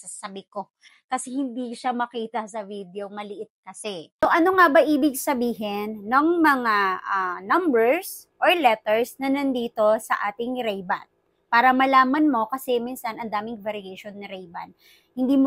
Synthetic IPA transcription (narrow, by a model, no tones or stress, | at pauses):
sɐsɐbɪko̞ | kɐsɛhɪnd̪iʃamɐkiːt̪ɐsɐvid̪eomɐlɪʔɪt̪̚kɐsɛkʊŋʔɐnoŋabɐʔiːbɪɡ̚sɐbiːɦɪnːɐŋmɐŋaʔɐnɐmbɛɹs | ʔoɹlɛt̪ɛɹsnɐnɐnd̪iːt̪o̞sɐʔaːt̪ɪŋɾɛjbɐ̰n̚ | paːɾɐmɐlaːmɐnmo̞kɐsɛminsɐnʔɐnd̪aːmɪŋvɐɾɪejʃonːɐɾɛjbɐ̰n | hɪnd̪iːmo